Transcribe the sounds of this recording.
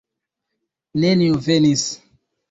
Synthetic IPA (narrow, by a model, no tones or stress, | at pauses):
neniuvenis